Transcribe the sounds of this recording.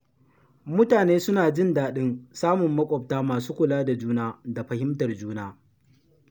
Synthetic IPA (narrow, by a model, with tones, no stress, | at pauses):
mʊ˦taː˨neː˦sʊ˦naː˨d͡ʒɪ˦ndaː˨ɗɪ˦nsaː˦mʊ˨mːɐ˦kʷʼɔ˨p̚taː˦maː˨suː˦kʷʊ˨laː˦da˨d͡ʒuː˦naː˦da˨ɸɐ˨hɪ˦mtɐ˨rd͡ʒuː˦naː˦